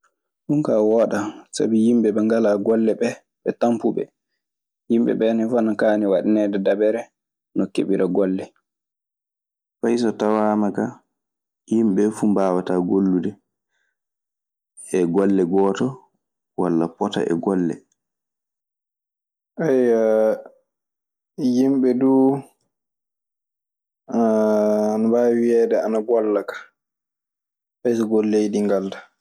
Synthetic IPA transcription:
ɗunkaːwɔːɗasa̰bijimɓɛɓɛŋɡalaɡɔlːɛɓɛ | ɓɛtampuɓɛ̰ | jimbɛ̰ɓɛnɛfanakaːniwaɗinɛdɛdabɛɾɛ | nɔkḛɓiɾaɡɔlːɛ | fajsɔtawaːmaka | jimɓɛfumbaːwataɡolːudɛ | ɛɡɔlːɛɡɔːtɔ | walːapɔta̰ʔɛ̰ɡɔlːɛ̰ | ʔaja | jimɓɛduː | nabawiɛːdɛanaɡɔlːakḁ | fajs̬ɔɡolːejdiŋɡaldḁ

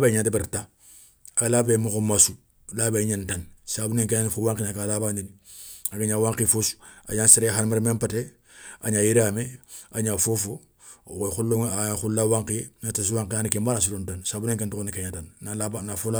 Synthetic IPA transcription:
beɲantibiɾta | alabemukomasu | labeɲantansabuneŋkenanfowaŋkinakaːlabanini | akaɲaːwaŋkifosu̥a̰ɲansiɾexanmeɾmempate | a̰ɲajiɾameaɲafofo | woxulːoŋaxullawaŋkienatas̬uwaŋkianikembanas̬uɾontansaːbuneŋkentuonikeɲatannalabanafola

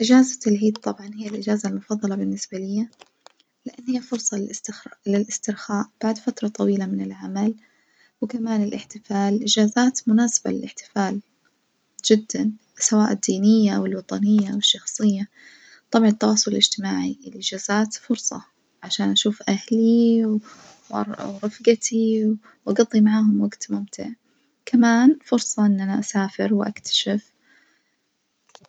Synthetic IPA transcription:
ʔɪd͡ʒaːzat̪alʕiːd̪̚t̪ˤːɑbʕɑnhɪjːalʔɪd͡ʒaːzalmʊfɑðˤːɑlɑbɪnːɪsbalɪjːa | lɪʔanːhɪjːafʊɾsˤɑlɪlʔɪst̪ɪɾxaːʔb̥aʕd̪fat̪ɾˤɑt̪ˤɑwiːlamɪnɪlʕamal | wɪkamaːnɪlʔɪħt̪ɪfaːlʔɪd͡ʒaːzaːt̪mʊnaːsɪ̥ba̰lɪ̰lɪħt̪ɪ̥faːl | d͡ʒɪd̪ːan | sawaːʔɪd̪ːiːnɪjːaʔawɪlwɑt̪ˤɑnɪjːaʔwɪʃːɑxsˤɨjːa | t̪ˤɑbʕɑnɪt̪ːɑwɑːsˤʊlɪlɪd͡ʒt̪ɪmaːʕiɪlʔɪd͡ʒaːz̥aːt̪fʊɾsˤɑ | ʕaʃaːnʔaʃuːfʔahli | wɾˤɑfɡat̪iw | wʔɑɡɑðˤːimaʕaːhʊmwaɡt̪mʊmt̪ʰɪ̰ʕ | kʰamaːnfʊɾsˤɑʔɪnːʔanaʔasaːfɪɾwɪʔakt̪ʰḁʃɪf

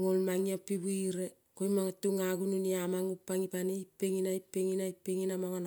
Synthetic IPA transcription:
ŋolmaŋiapːibuiɾe | kojmaŋatːuŋaɡununiamaŋupːaŋipaniipːeŋinaipːeŋinajpːeŋinamaŋon

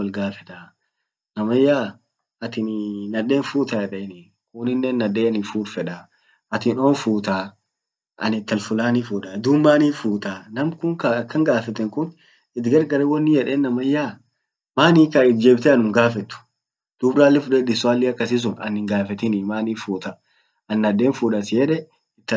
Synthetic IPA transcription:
wɐlɡaːfɛt̪a | nɐmɐjːaː | ɐt̪ɪnnɐᶑe̞ːnfuːt̪aːjɛᶑeːnɪː | kʊnɪnːɛnːɐᶑeːɐnɪfuːɾfɛᶑa | ɐt̪ɪno̞ːnfuːt̪aː | ʔɐ̰nɪt̪ːɐlfʊlaːnifuːᶑaːd̪uːmːaːniːfuːt̪aːnɐmkʊŋkɐɐkːɐŋɡaːfɛt̪ːɛŋkʊn | ɪt̪ɡɐɾɡɐɾɛwɐnːɪjɛᶑeːnːɐmɐjːaː | maːniːkaɪt̪̚d͡ʒeːbt̪ɛɐnʊmɡaːfɛt̪ːʊ̥ | d̪̥ʊbɾaːlːɛfʊᶑɛd̪ɪsʊaːlːɪɐkːɐsɪs̬ʊnɐ̰nɪŋɡaːfɛt̪ɪnɪmaːniːfuːt̪ɐ | ɐnːɐᶑeːnfuːᶑɐsɪjɛᶑɛ | ɪt̪ːɐ

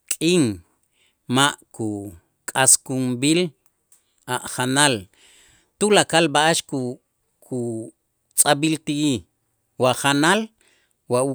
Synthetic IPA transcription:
kʼiŋ | maʔku | kʼaskumbil | aʔχanal | t̪ulakalbaʔaʃku | kʰu | t͡sʼabilt̪ii | waχanal | wau

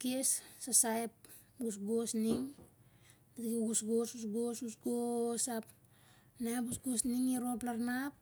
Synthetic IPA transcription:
kessasajp̚ | ɡusɡosniŋ | datkiɡusɡosusɡosɡusɡosap | najpusɡosniŋiɾoplaɾnap̚

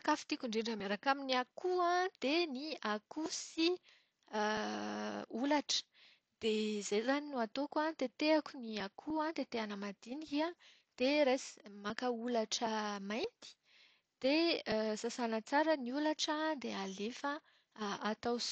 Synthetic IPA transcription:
kafi̥t̪ikʲuɳɖ͡ʐeɳɖ͡ʐəmeɾakaminiakʰuãd̪̥eniakusi | ulaʈ͡ʂə̥ | d̪̥ezejzaninuat̪okãt̪et̪eakuniakʰuãt̪et̪eanəmad̪̥inikiã | d̪̥eɾejsi̥makəulaʈ͡ʂəmajnt̪i̥ | d̪̥esasanat͡saɾəniulaʈ͡ʂəd̪ealefə | at̪aws

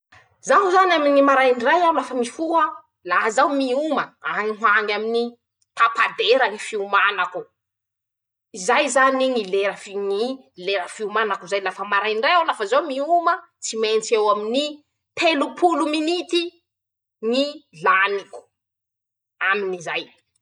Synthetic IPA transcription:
zaɦuzaniaminimaɾajɳɖ͡ʐajalafəmifuə | laɦəzawmiuməaŋiɦwaŋamini | t̪apad̪eɾənifiumanaku | izajzaniŋileɾəfiŋi | leɾəfiumanakuzajlafəmaɾajɳɖ͡ʐajawlafəzawmiumə | t͡siment͡sewamini | t̪elupʰuluminit̪i | ŋilaniku̥ | aminizaj

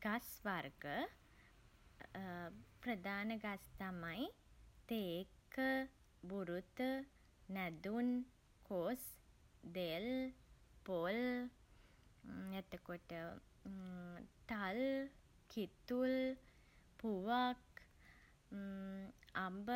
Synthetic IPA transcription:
ɡ̥asʋaɾɡə | pɾəd̪aːnəɡast̪amajt̪eːkə | buɾut̪əː | ɛd̪un | kʰosd̪el | pol | et̪əkoʈə | t̪al | kʰit̪ul | puʋak | ambə

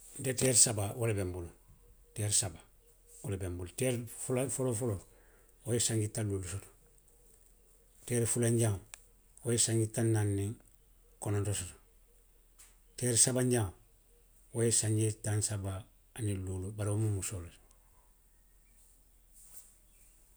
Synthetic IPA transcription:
nteteɾsabawolebembulu | teɾsaba | wolebembulteɾfolafolofolo | wojesaŋɡitːaluːlusoto̥ | teːɾfulaɲɟam | wojesaŋɡitːanːanːiŋ | konontosoto̥ | teɾsabaɲɟa | wojesaɲɟetansabaː | niluːlubaɾiomumusolt

